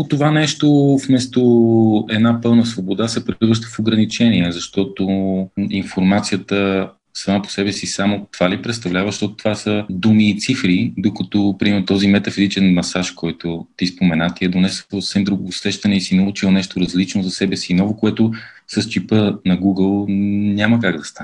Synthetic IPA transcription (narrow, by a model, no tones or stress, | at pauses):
ot̪ovanɛʃt̪ofmɛst̪oɛd̪napɤlˠnəsvobod̪asɛpɾiivəʃ̬t̪ə̥foɡɾɐnit͡ʃɛniɛzɐʃt̪ɔt̪oinfoɾmat̪sijət̪ə | sɐmapo̥sɛbɛsisamot̪ovalipɾɛt̪st̪ɐvlʲavəʃt̪ɔt̪o̥t̪ovasəd̪umiːt̪sifɾid̪okɐt̪ɔpɾiɛmɐt̪ɔzimɛt̪ɐfizit͡ʃɛnmɐsaʃkɔjt̪ot̪ispomɛnat̪iɛd̪onɛsəsɛmd̪ɾuɡʊsɾɛʃt̪ɐnɛisinɐlˠut͡ʃilˠnɛʃt̪oɾɐzlit͡ʃnoʊzɐsɛbɛsinɔvokoɛt̪ʊ | sɐst͡ʃipənɐɡuɡəlˠnʲaməkaɡd̪ɐst̪anɛ